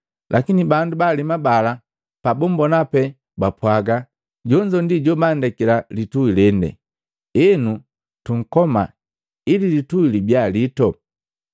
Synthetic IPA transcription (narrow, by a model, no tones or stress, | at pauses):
lʔakinibandubalimabala | pabɔmbɔnapɛ | bapwaɡa | ɟɔɲd͡ʒɔndiɟɔbandɛkilalituilɛndɛ̰ | ɛnu | tuŋ̩kɔma̰ | ililituilibjalitɔ